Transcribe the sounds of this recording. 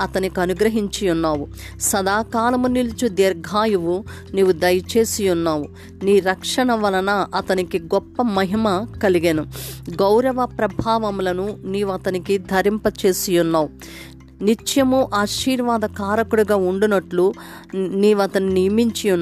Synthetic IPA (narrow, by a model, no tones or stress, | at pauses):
ɐt̪ɐnikiɐnuɡɾɐɦiɲt͡ʃijunːaːʋu | sɐd̪aːkaːlɐmunilit͡ʃud̪eːɾɡʱaːjuʋu | niːʋud̪ɐjɐt͡ʃe̞ːsijunːaːʋu | niːɾɐkʂɐɳɐʋɐlɐnɐʔɐt̪ɐnikiɡɔpːɐmɐɦimɐkɐliɡenuɡɐwɾɐʋɐpɾɐbʱaːʋɐmulɐnuniːʋuɐt̪ɐnikid̪ʱɐɾimpɐt͡ʃe̞ːsijunːaːʋu | nit͡ʃjɐmuʔaːʃiːɾʋaːd̪ɐkaːɾɐkuɽuɡaːuɳɖunɐʈlu | niːʋɐt̪ɐninijɐmiɲt͡ʃijunː